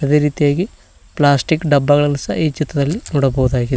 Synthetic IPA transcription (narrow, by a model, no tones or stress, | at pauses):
ɐd̪e̞ːɾiːt̪ijaːɡi | plaːsʈikːɖɐbːɐɣɐɭɐnːusɐiːt͡ʃit̪ːɐd̪ɐlːinoːɽɐbɐwud̪aːɡi